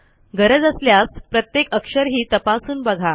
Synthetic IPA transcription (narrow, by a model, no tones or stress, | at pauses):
ɡəɾəd͡zəsljaspɾət̪jekəkʂəɾɦiːt̪əpasuːnbəɡʱa